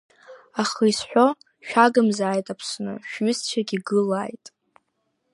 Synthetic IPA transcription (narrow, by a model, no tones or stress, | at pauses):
aχɨjsħʷᶣo | ʃᶣaɡɨmzaːjtʼapʰsnɨ̰ʃᶣɥʏst͡ʃʷʰaɡʲiɡɨlajtʼ